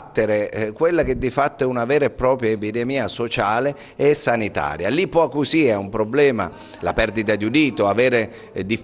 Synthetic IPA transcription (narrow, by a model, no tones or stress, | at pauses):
t̪ːeɾekwelːak̟ed̪ːifat̪ːoɛunavɛːɾpːɾɔːpɾjaepid̪ɛmiːasot͡ʃaːle | ɛsːanit̪a̰ːɾjalipːwɔakːusiːaumpɾoblɛːma | la̰pɛrd̪it̪ad̪ud̪iːt̪oavɛːɾe | d̪i